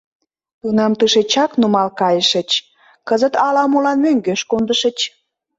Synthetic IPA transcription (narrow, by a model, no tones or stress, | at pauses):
t̪unɑmt̪ɨʃet͡ɕɑknumɑlkɑjəʃə̆t͡ɕ | kəzət̪ɑlɑmulɑnmøŋɡøʃkond̪əʃə̆t͡ɕ